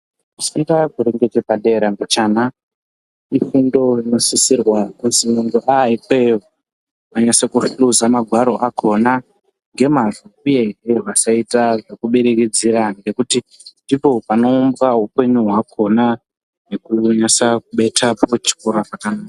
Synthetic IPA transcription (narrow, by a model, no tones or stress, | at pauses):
usiŋɡakuɾe̞ŋɡetepaɗe̞ɾaŋɡot͡ʃaːna | ifundo̞ino̞sisirwakunsiunɡoʔaikwejo | paɲasekufuzamaɡʱwaɾo̞ʔakʰo̞na | ŋɡe̞maʐuuje̞ɦeʋasaitaʐekuɓeɾekid͡ziɾaŋɡe̞kuti | ndipo̞pano̞ːmbɡaɦupe̞ɲuɦwakʰo̞na | nekuɲasakuɓe̞tʰapo̞t͡ʃi̥koɾaʐakanaːka